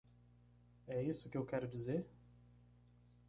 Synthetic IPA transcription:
ɛisʊkɪewkɛɾʊd͡ʒizeɾ

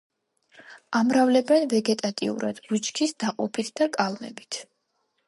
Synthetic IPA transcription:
amɾavlɛbɛnvɛɡɛt̪ʼat̪ʼḭṵɾa̰d̪̥ɡut͡ʃkʰisd̪̥aqʼɔpʰit̪ʰd̪akʼalˠmɛ̰bit̪ʰ

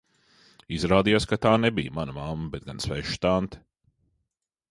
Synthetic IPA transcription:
izɾaːd̪ijaskat̪aːnebḭjmanɐmamːɐbɛt̪̚ɡansvɛʃt̪ant̪

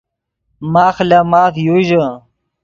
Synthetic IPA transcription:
maːxlamaːfjuʑə

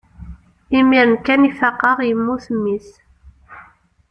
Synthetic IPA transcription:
imiɾənkænifɑqːɑʁjəmːuθəmːis

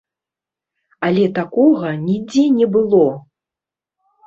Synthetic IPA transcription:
alʲɛt̪akɔɣɐnʲid͡zʲɛnʲɛbɨlˠɔ

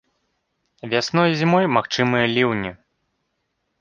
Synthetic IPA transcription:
vʲasnɔjzʲimɔjmaxt͡ʂɨmɨjɐlʲiwnʲi

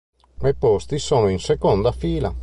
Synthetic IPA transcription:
epɔst̪isoːnoinsekɔnd̪afiːla

